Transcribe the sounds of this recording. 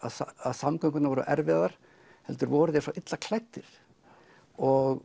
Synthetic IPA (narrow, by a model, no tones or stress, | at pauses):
a̰ðsaðsamkʰœŋkʏt̪navɔːɾʏ̰ʔɛɾvɪɣaðaɾ̥ | hɛlt̪ʏɾvɔːɾʏðɛɾsɔʔɪt̪lakʰlajht̪ːɪɾ̥ | ɔɣ